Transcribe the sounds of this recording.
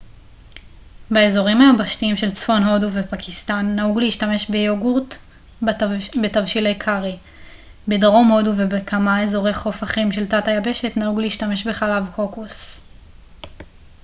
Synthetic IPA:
baezo̞ʁimhaabaʃtiimʃe̞lt͡sfo̞nɦo̞duvepakʰistanːahuɡleiʃtame̞ʃbejoɡuʁt | betavʃilejkʰaʁi | bedʁo̞mho̞duvebekʰamae̞zo̞ʁe̞jχo̞faχimʃe̞ltatajabe̞ʃe̞tnahuɡleiʃtame̞ʃbe̞χalavkʰo̞kus

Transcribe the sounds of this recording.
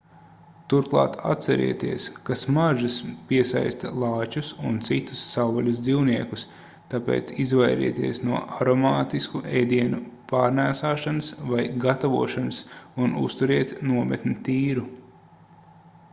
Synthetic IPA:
t̪uɾklˠɑ̰ːt̪a̰t̪sɛɾḭɛt̪iɛskasmaʒaspiɛsa̰jst̪alˠɑːt͡ʃusunt̪sit̪u̥sːawvɔlʲɐz̬d̪ziwniɛkus | t̪apḛːt̪sizvajɾḭɛt̪iɛsnuɔʔaɾɔmaːt̪iskuʔɛjd̪iɛnupaːɾnæːsaːʃanɐsvajɡat̪avṵɔʃanɐsunṵst̪uɾiɛt̪nuɔmɛt̪nʲit̪iːɾu

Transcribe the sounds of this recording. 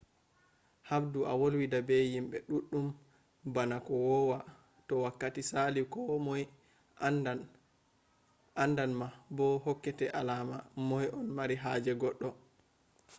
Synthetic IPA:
habduʔa̰wolwidabɛjimbɛɗuɗːum | banakɔwɔwa | tɔwakːatisalikɔmɔj | a | andanmabɔhokːɛtɛʔalamamɔjɔnmaɾiɦaːd͡ʒɛɡɔɗːɔ

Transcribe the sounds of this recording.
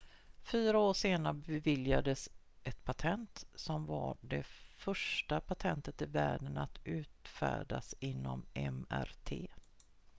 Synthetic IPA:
fyːɾaoːʂeːnaɾəbɛvɪljad̪əs | ʔɛt̪pʰat̪ʰɛnt̪sɔmvaɖɛfœʂʈapʰat̪ʰɛnt̪ət̪ɪvæːɖənat̪ʉ̟ːt̪fæ̰ːɖasɪnːɔmɛmæ̰ɾt̪ʰeː

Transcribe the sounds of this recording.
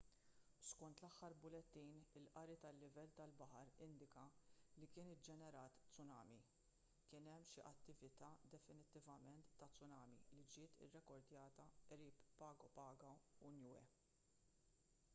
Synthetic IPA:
skɔnt̪lɐħːɐɾbʊlɛt̪ːiːnɪlʔɐɾit̪ɐlːɪvɛlːt̪ɐlbɐħɐɾɪnd̪ɪkɐlikɪːnɪd͡ʒɛnɛɾɐːt̪t͡sʊnɐ̰ːmi | kɪnɛmːʃiʔɐt̪ːɪvɪt̪ɐːd̪ɛfɪnɪt̪ːɪvɐmɛnt̪ːɐt͡sːʊnɐːmilid͡ʒɪːt̪ɪ̰rːɛkɔɾd̪jɐːt̪ɐɛɾiːpːɐːɡɔpɐːɡɐʊnjuːɛ̰

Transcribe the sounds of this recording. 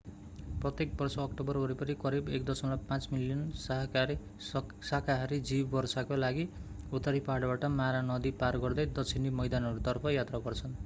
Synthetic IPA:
prʌt̪ek̚bʌrsʌːkʈobʌrɦoɾipʌnikʌɾibek̚d̪ʌsʌlapãt͡smiljʌnsʌɦʌaɾi | sakaɦɾid͡zibbʌrsakolaɡi | ut̪ʌɾipaɦɽbaʈʌmaɾanʌd̪iparɡʌrd̪ʌjd̪ʌt͡sʰinimʌjd̪anʌɾut̪ʌrpʰʌjat̪rabʌrt͡sʰʌn

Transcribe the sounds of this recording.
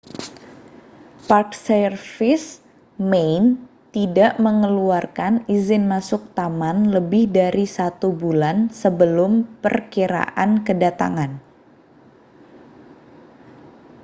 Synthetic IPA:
parksərfɪs | mejn | t̪idaʔməŋəluarkanizɪnmasʊk̚t̪amanləbɪhdaɾisat̪ubulansəbəlʊmpə̰rkiɾa̰ʔankədat̪a̰ŋan

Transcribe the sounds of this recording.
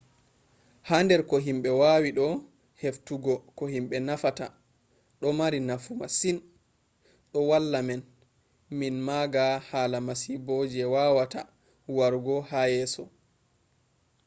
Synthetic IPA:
handɛɾkɔɦimɓɛwawiɗɔ | heftuɡɔkɔhimɓɛnafata̰ | ɗɔmaɾinafuma̰sin | ɗɔwalːamɛn | minmaɡahaːlamasibɔd͡ʒɛwaːwata̰ | waɾɡɔhajɛːsɔ

